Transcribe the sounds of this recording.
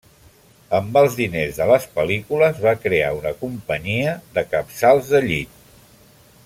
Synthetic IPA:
əmbəlˠzðinezðələspəlikuləzβakɾea̰unəkumpəɲiəðəkəpsalˠzðəʎit̪

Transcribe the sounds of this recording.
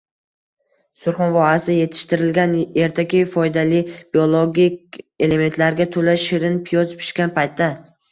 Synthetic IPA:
sʊɾχɒnvɒasɪje̞t̪ʰɪ̥ʃt̪ɪɾɪlɡʲane̞ɾt̪ʰakʲɪfɒjd̪alɪb̥iolˠoɡʲikʲe̞le̞me̞nt̪laɾɡʲat̪ʰolaʃɪɾɪnpʰɪjɒzpʰɪ̥ʃkʲanpʰajt̪ʰːa

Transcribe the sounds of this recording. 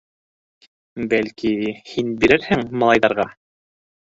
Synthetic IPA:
bælkihinbiɾɘɾhɘŋmɑlˠɑjðɑɾʁɑ

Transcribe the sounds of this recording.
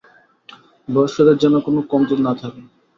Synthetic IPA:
bɔɾʃod̪eɾd͡ʑɛnokonokɔmt̪olnat̪ʰake

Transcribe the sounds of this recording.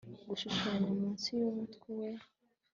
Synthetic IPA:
ɡuʃuʃaaɲamuːnsijomutkiwe

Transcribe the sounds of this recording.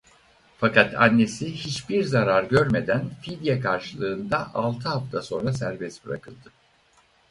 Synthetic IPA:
fakat̪ʰa̰nːe̞sihit͡ʃbiɾzaɾaɾɟø̞ɾme̞d̪ænfid̪jakʰaɾʃɯlˠɯːnd̪aʔalˠt̪ʰɯɦaft̪ʰaso̞nɾasæɾbɛsbɯɾa̰kʰɯlˠd̪ɯ

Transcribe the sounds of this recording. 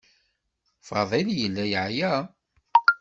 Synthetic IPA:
fɑ̰ðˤeljəlːæjəʕjæ

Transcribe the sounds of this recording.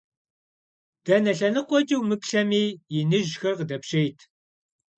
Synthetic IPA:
d̥ɐnɐɬɐnɨqʷɔd͡ʒiwmɨpɬɐmiːjɪnɨʒxɐrqdɐpɕejtʰ

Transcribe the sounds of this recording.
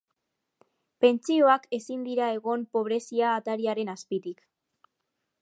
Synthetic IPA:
pe̞nt͡sio̞ake̞sind̪iɾae̞ɣo̞mpo̞β̞ɾe̞siaːt̪aɾiaɾe̞naspit̪ik

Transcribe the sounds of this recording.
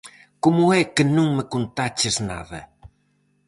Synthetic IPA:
komʊɛkɨnũŋməkont̪at͡ʃɪzna̰ðɐ

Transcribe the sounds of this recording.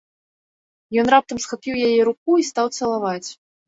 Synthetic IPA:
jɔnrap̚t̪ɐmsxapʲiwjajɛɾuk̚uist̪awt̪sɐlˠavat͡sʲ

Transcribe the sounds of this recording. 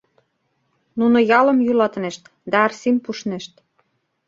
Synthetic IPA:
nunojɑlə̆mjylɑt̪nĕʃt̪ | d̪æɑrsimpuʃnĕʃt̪

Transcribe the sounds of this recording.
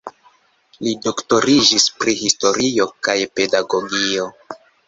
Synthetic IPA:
lido̞kto̞ɾid͡ʒispɾihisto̞ɾio̞kajpe̞daɡo̞ɡio̞

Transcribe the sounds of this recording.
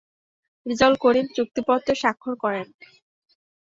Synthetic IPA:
ɾid͡ʑɔlkoɾint͡ɕuk̚t̪ipɔt̪ːoʃakʰːoɾkɔɾen

